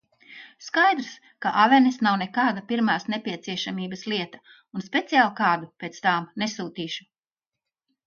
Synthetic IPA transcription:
skajd̪ɾs | kaʔavɛnesnawnekaːd̪apiɾmaːsnepʲiɛt̪siɛʃamiːbɐsliɛt̪ɐ | unspʲe̞t̪sijaːlˠkɑːd̪upeːt̪st̪aːmnesuːt̪iːʃu̥

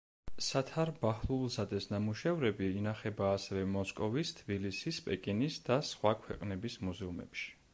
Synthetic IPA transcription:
sat̪ʰaɾbaχlˠulˠzad̪ɛsnamuʃɛvɾɛbiːnaχɛbaːsɛvɛmɔskʼɔvist̪ʰbilisispʼɛkʼinisd̪̥asχwakʰwɛ̰qʼnɛbismuzɛumɛ̰pʃi̥

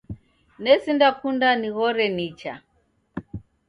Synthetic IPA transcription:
nɛsindakundaniɣɔɾɛnit͡ʃa̰

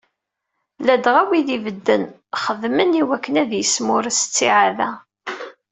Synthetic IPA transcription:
læd̪ʁæwiðivəd̪ːən | χəðməniwækːənæðjəsmʊɾsə̥t͡sːiʕaðæ

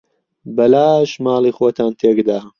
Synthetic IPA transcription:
bɐlaːʃmaːlˠiːxoːt̪ʰaːnt̪ʰeːkd̪aː

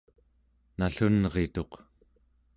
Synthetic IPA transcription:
naɬunʁet̪o̞q

